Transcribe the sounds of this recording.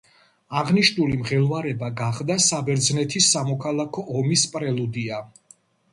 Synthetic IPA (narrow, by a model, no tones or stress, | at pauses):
aʁniʃnulimʁɛlˠvaɾɛbaɡaχd̪asabɛɾd̪znɛt̪ʰisːamɔkʰalˠakʰɔʔɔmispʼɾɛlˠud̪ia